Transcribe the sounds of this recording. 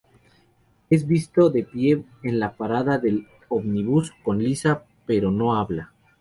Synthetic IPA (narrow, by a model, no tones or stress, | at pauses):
e̞zβist̪o̞ðe̞pje̞ːnlapaɾaðaðe̞l | oβniβusko̞nlisa | pe̞ɾo̞no̞aβla